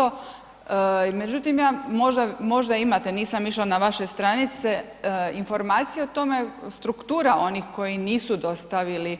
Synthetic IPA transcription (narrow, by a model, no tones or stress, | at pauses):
o | me̞d͡ʑut̪imjaːmo̞ʒd̪amo̞ʒd̪aimat̪e̞niːsamiʃlanaʋaʃe̞st̪ɾanit̪se | info̞ɾmaːt̪sijeot̪o̞me̞st̪ɾukt̪uːɾaʔo̞nixko̞jiniːsud̪o̞st̪aʋili